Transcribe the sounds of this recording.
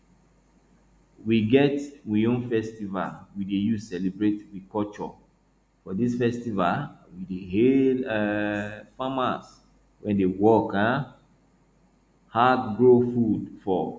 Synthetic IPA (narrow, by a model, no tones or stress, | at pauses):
wiɡɛtwiõnfɛstiva̰lwidejusɛlibɹetwikɔt͡ʃɔ̰ | fɔdisfɛstivalwideɦel | famas | wɛ̃ndewɔkã | hadɡɹofudfɔ